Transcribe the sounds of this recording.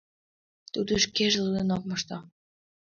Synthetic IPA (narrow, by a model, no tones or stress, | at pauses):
t̪ud̪əʃkeʒlud̪ɤnok̚mɑʃt̪ɑ